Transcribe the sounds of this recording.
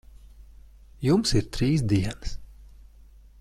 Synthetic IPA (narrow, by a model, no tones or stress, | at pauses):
jumsiɾt̪ɾiːs̬d̪iɛnɨs